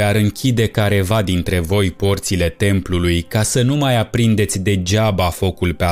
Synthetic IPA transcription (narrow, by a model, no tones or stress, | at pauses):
aɾɨŋkʲʰid̪e̞kaɾe̞vad̪int̪ɾe̞vo̞jpo̞rt̪sile̞t̪e̞mplulujkasənumajapɾind̪e̞t̪sʲd̪e̞d͡ʒabafo̞kulpea